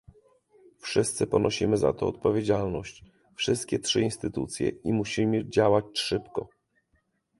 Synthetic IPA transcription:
fʂɘst̪sɘpɔnʔɔɕimɘza̰t̪ɔːt̪pɔvʲjed͡ʑalnɔɕt͡ɕ | fʂɘst̪̚kʲɛtʂɘinst̪ɘt̪ṵt̪sʲjɛ̰imuɕimɘd͡ʑawat͡ɕʂɘpkɔ

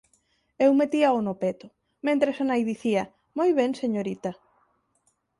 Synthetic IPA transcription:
ewmet̪iaonopet̪ʊ | mẽnt̪ɾesanajðiθiɐ | mojβ̞eŋseɲoɾit̪ɐ

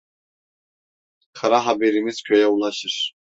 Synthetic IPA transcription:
kʰaɾaɦabeɾimiz̥cʰø̞jɛulˠaʃɯɾ̥

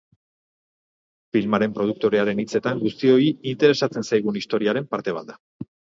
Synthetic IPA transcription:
filmaɾe̞mpɾo̞ð̞uk̚t̪o̞ɾe̞aɾe̞nit͡se̞t̪aŋɡust̪io̞iint̪e̞ɾe̞sat͡se̞nsajɣ̞unist̪o̞ɾiaɾe̞mpaɾt̪e̞β̞a̰ld̪a

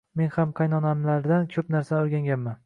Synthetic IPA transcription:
me̞nhamqʰɑjnɒnamlaɾd̪ankʲʰɵpnaɾsanoɾɡʲaŋɡʲanman

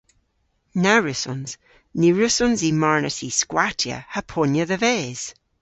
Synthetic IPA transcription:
naɹɪsɔnz̥ | niɹʉsɔnzimaɹnəsiskwatʰjə̰həpʰɔnjəðəvɛz̥

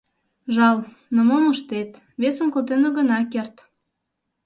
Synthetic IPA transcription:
ʒɑl | nəmomuʃt̪et̪ | βesəmkolt̪enoɣənɑkert̪

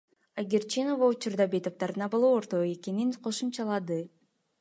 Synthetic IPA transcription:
aɡʲeɾt͡ʃino̞vaut͡ʃuɾd̪ɑbe̞t̪op̚t̪ɑɾd̪ɯnɑbolˠooɾt̪o̞e̞ke̞ninqʰo̞ʃumt͡ʃɑlˠɑd̪ɯ

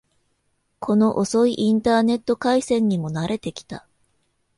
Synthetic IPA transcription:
kʰo̞no̞ʔoso̞iʔĩnt̪aːne̞t̪ːo̞kaisẽ̞ɲ̟ːimo̞naɾʔe̞t̪e̞kʲi̥t̪a

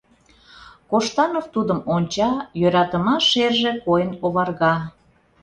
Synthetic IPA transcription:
koʃt̪ɑnoft̪ud̪əmonʲt͡ɕɑjøɾɑt̪əmɑʃerʒekojənoβɑrɣɑ

